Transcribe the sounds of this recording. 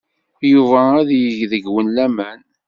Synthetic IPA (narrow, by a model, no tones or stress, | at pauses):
juvææðjəʝðəɡwənlæmæn